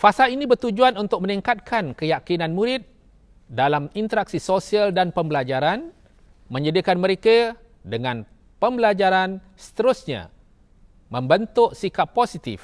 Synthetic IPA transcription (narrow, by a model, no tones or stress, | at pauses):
fasalinĩbərt̪ud͡ʒuanunt̪ʊk̚məniŋkat̪̚kʰankəjakinãnmuɾɪt̪̚ | dalamint̪əɾak̚sisosialdanpəmbəlad͡ʒaɾan | mə̃ɲədikanməɾeka | dəŋãn | pəmbəlad͡ʒaɾan | sə̥t̪əɾʊsɲa̰ | mə̃mbənt̪ʊʔsikappːosit̪ḭf